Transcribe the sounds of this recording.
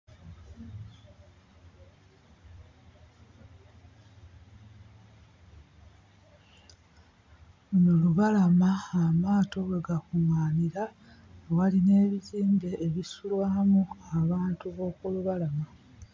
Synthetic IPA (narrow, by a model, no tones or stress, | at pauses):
noluβalamaːmaːto̞βwe̞ɡakuŋaːniɾa | waline̞ːβiziːmbe̞ːβisulwaːmuaβaːntuβo̞ːkuluβalama